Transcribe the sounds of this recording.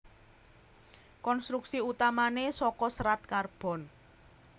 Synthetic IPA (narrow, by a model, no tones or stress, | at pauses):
kɔnst̪ɾuksiut̪amanesɔkɔsɾat̪̚karb̥ɔ̤n